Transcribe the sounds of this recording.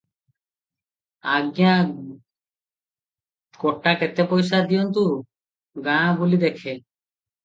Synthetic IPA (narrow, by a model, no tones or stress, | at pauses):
aɡja | koʈːaket̪epojsad̪ijɔnt̪̬u | ɡãbulid̪ekʰe